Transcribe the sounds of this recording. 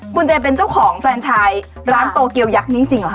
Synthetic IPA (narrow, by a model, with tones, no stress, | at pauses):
kʰu˧nt͡ɕa˧˩p̬e˧nt͡ɕa˥˩wkʰɔː˩˦ŋfʰɾɛː˧ŋt͡ɕʰaː˧j | ɾaː˦˥nt̪o˧ki˧əwja˦˥k̚niː˦˥t͡ɕi˧ŋla˨˩k